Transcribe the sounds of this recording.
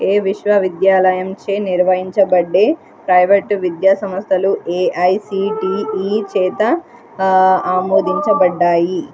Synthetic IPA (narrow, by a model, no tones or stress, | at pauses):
eːʋiʃʋɐʋid̪jaːlɐjɐmt͡ʃeːniɾʋɐɦiɲt͡ʃɐbɐɖːeː | pɾɐjʋeʈʋid̪jaːsɐmɐst̪ʰɐlueːʔɐjsiːʈiːiːt͡ʃɛːt̪ɐ | aːmoːd̪iɲt͡ʃɐbɐɖːaːji